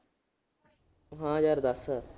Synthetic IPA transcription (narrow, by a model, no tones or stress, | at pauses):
ɦãːd͡ʒaːɾd̪əs